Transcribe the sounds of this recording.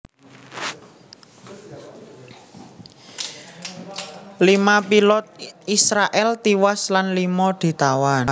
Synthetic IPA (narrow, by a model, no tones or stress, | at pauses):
limapilɔt̪̚isɾaʔɛlt̪iwaslanlimɔd̪̥i̤t̪awan